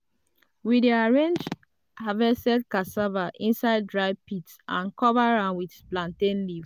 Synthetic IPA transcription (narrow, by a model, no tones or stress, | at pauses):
widiaɹẽnd͡ʒ | havɛsɛdkasavaʔĩnsaɪd̚dɹaɪpitsã̰nkɔvaɹãʊ̃nwidplãntẽnliv